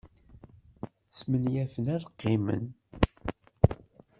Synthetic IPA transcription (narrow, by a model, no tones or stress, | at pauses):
smənjæfənæɾqːimə̰n